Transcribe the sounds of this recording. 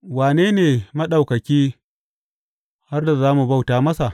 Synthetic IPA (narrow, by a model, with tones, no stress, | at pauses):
waː˨neː˦neː˨mɐ˦ɗa˨wkɐ˨kʲiː˦ | ha˦rda˨zaː˦mu˨ba˦wtaː˨mɐ˦sa˨ʔ